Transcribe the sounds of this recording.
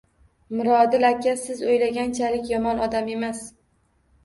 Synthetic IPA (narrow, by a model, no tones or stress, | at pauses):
mʊɾɒd̪ɪlakʲːasɪzojlaɡʲant͡ʃʰalɪkʲjɒmɒnɒd̪ame̞mas